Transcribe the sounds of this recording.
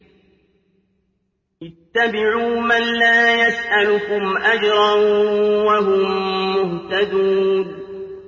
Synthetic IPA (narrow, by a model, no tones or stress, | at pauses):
ʔɪt̪ːabɪʕuːmanlaːjasʔalʊkʊmʔad͡ʒɾˤɑ | waɦʊmːʊht̪ad̪uːn